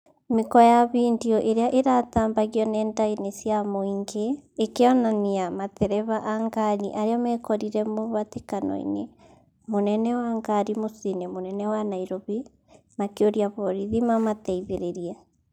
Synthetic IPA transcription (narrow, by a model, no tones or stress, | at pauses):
mekɔjaβiːndiɔʔeɾeaʔeɾataːmbaɣiɔnɛːndainesjamoiŋɡeːkeɔnaniamatɛɾɛβaʔaŋɡaniʔaɾeɔmɛkɔɾiɾɛmoβatekanɔ̰ḭne | monɛnɛwaŋɡaɾimosinemonɛnɛwanaiɾoβi | makeoɾiaβɔɾiðimamatɛiβeɾeɾia